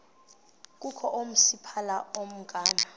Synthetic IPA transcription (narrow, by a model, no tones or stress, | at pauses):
k̬ʼukʰɔʔom̩sipʰalaom̩ɡ̥ʱaːma